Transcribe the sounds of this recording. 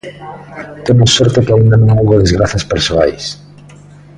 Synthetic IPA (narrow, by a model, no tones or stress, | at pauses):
t̪emosːɔɾt̪okeaind̪anõŋowɣoðezɣɾaθaspeɾsoajs